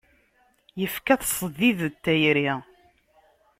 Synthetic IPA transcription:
jəfkæθsˤəðːiðət̪ːæjɾi

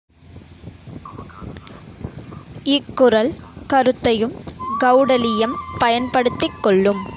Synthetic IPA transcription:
ɪkːʊrɐlkɐɾɯt̪ːɐjɯmɡɐʊɽɐlɪjɐmpɐjɐnpɐɽɯt̪ːɪkːɔɭːɯm

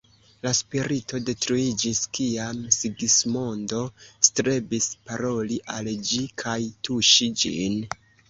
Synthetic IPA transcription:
laspiɾito̞de̞tɾuid͡ʒiskiamsiɡismo̞ndo̞stɾe̞bispaɾo̞liʔald͡ʒikʰajtuʃid͡ʒḭn

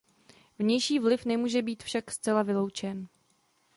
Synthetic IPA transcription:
vɲɛjʃiːvlɪfnɛmuːʒɛbiːt̪fʃakst͡sɛlavɪlo̞wt͡ʃɛn

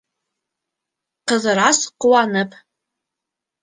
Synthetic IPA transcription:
qəzɨɾasqwanɨpʼ

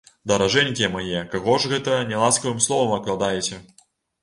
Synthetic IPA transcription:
d̪ɐɾaʐɛnʲkʲimajɛkaɣɔʐɣɛt̪ɐnʲɛlˠaskɐvɨmslˠɔvɐmɐklˠad̪ajɛt͡sʲɛ

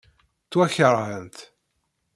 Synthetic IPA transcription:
t͡sːwæçəɾˤhənt̪

